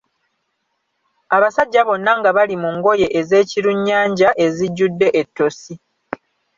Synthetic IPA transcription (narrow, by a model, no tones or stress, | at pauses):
aβasaɟːaβo̞nːaŋɡaβalimuŋɡo̞je̞ʔeze̞ːciɾuɲːaːɲɟaʔe̞ziɟːudːe̞ʔetːo̞si